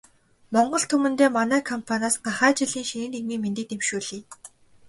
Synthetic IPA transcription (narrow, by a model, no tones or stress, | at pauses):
mɔɴɢɞ̆ɬt̪ʰɵmɘ̆nt̪eːmanæːkʰɔmpʰanaːsɢaχæːt͡ɕɪɮiːŋʃinɘ̆neɣmiːment̪ɘ̆t̪emʃuːɮiː